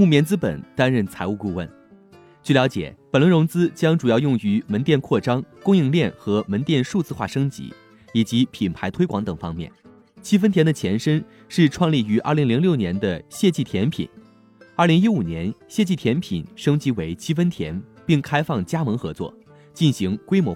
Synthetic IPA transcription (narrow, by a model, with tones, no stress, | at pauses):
mu˥˩mjɛ˥˧nt͡sɹ̩˥pə̰˨˩nt̪a˥nɻə˥˩nt͡sʰa˧˥ɪu˥˧ku˥˧wə̰˥˩n | t͡ɕy˥˩ljɑ˧˥t͡ɕjɛ̰˨˩˦pə˨˩nlwə˧˥ɻʊ˧˥ŋt͡sɹ̩˥t͡ɕjɑ˥ŋʈ͡ʂu˨˩jɑ˥˧ʊjʊ˥˩ŋy˧˥mə˧˥nt̪jɛ˥˧nkʰwɔ˥˩ʈ͡ʂɑ˥ŋkʊ˥ŋi˥˧ŋljɛ˥˩nxɤ˧˥mə˧˥nt̪jɛ˥˧nʂu˥˧t͡sɹ̩˥˧xwa˥˩ʂɤ˥ŋt͡ɕḭ˧˥ | i˨˩t͡ɕi˧˥pʰi˨˩npʰa˧˥ɪt̪ʰwe˥ɪkwɑ˧˥ŋt̪ɤ˨˩ŋfɑ̰˥ŋmjɛ̰˥˩n | t͡ɕʰi˥fə˥nt̪ʰjɛ˧˥nd̪ə˧t͡ɕʰjɛ˧˥nʂə˥n | ʂɻ̩˥˧ʈ͡ʂʰwɑ˥˧ŋli˥˩y˧˥ʔɐ̰˞˥˩li˧˥ŋli˧˥ŋljo˥˩ʊnjɛ˧˥nd̪ə˧ɕjɛ˥˧t͡ɕi˥˩t̪ʰjɛ˧˥npʰḭ˨˩˦n | ə˞˥˩li˧˥ŋi˥u˨˩njɛ˧˥nɕjɛ˥˧t͡ɕi˥˩t̪ʰjɛ˧˥npʰḭ˨˩nʂɤ˥ŋt͡ɕi˧˥we˧˥ɪt͡ɕʰi˥fə˥nt̪ʰjɛ˧˥npi˥˩ŋkʰa˥ɪfɑ˥˩ŋt͡ɕja˥mɤ˧˥ŋxɤ˧˥t͡swɔ̰˥˩ | t͡ɕi˥˩nɕi˧˥ŋkwe˥ɪmwɔ˧˥